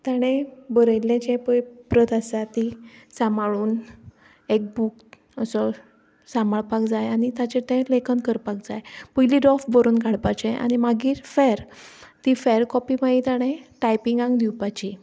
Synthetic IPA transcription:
t̪aɽ̃ẽbəɾəjlẽt͡ɕẽpəpɾət̪asat̪isamaɭuːn | ek̚buk | əsɔ | samaɭpakd͡zajanit̪at͡ɕeʈ̪ẽlekənkəɾpak̚d͡zajpujliɾɔfbəɾuːnkaɽpat͡ɕẽʔa̰ɽ̃imaɡiːɾfɛɾt̪ifɛɾkɔpimait̪aɽ̃ẽʈajpiŋɡãŋɡd̪iwpat͡ɕi

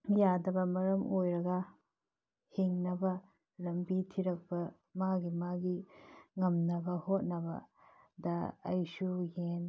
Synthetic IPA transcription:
jadɐbɐmɐɾɐmojɾɐɡɐ | hiŋnɐbɐ | lɐmbitʰiɾɐk̚pɐ | maɡimaɡiŋɐmnɐbɐhot̚nɐbɐ̰ | dɐɐjsuhen

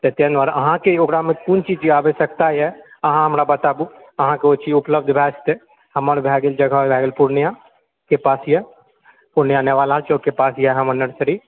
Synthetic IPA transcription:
t̪et̪enɔɾɐ̰ɦãkeoɡɾamẽkunt͡ʃid͡ʒiaːbesɐkt̪ajɛɐɦãɦɐmɾabɐt̪aːbu | ɐɦãkeot͡ʃʰiʊpləb̚d̪bʱɛːst̪e | hɐməɾbʱɛːɡɪld͡ʒɐɡabʱɛːɡəlpuɾnijã | kepaːsjɛ | pʊɾnijaneʋaːlalt͡ʃʰokepaːsjɛɦə̃mənəɽsəɾi

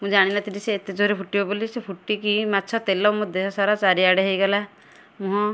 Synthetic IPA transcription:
mũd͡ʒaɽ̃inat̪iniseːt̪ed͡ʒoɦɾepʰuʈibebolisepʰuʈːikimatːt͡ʃʰɔt̪elɔmɔd̪ʱeɦɔsaɾat͡ʃaɾiaɽeɦejɡala | mũɦɔ̃

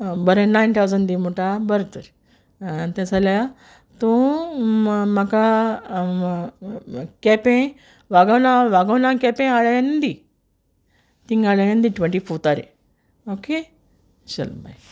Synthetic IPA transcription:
bəɾẽnːajnt̪ʰawd͡zəɳɖd̪imoʈabəɾt̪əɾ | t̪ãsalja | t̪u | maka | kɛpẽ | ʋaɡawnãʋaɡawnãkɛpẽaɭajãnd̪i | t̪ĩŋɡaɭəjãnd̪iʈʋẽɳʈifot̪aɾḛ̃ | oke | ɕə̰lma̰j

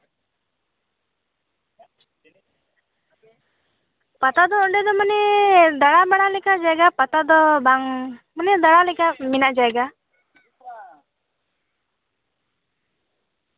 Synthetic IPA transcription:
pat̪ad̪ɔɔɖɛd̪ɔmanɛd̪aɽabaɽ̃alɛkad͡ʒaɛɡapat̪ad̪ɔbaŋmanɛd̪aɽalɛkaminaʔd͡ʒaɛɡa

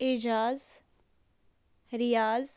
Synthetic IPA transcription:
ed͡ʒaːz | ɾɪjaːz

